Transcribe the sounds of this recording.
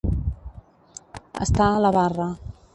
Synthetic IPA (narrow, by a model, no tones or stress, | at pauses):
ə̰st̪aləβarə